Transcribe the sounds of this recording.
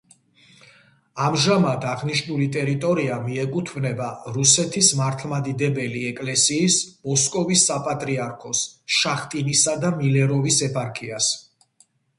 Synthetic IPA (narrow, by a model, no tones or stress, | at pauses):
amʒamat̪ʰaʁniʃnulit̪ʼɛɾit̪ʼɔɾiamiɛkʼut̪ʰbnɛbaɾusɛt̪ʰismaɾt̪ʰlˠmad̪id̪ɛbɛliɛkʼlɛsiːsmɔskʼɔvisːapʼat̪ʼɾiaɾkʰɔsʃaχt̪ʼinisad̪amilɛɾɔvisɛpʰʼaɾkʰʼias